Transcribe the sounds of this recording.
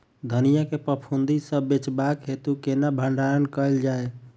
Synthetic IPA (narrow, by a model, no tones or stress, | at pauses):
d̪ʱənijakepəpʰund̪isəbːet͡ʃbakɦet̪ukenabʱəɳɖaɾənkəjld͡ʒae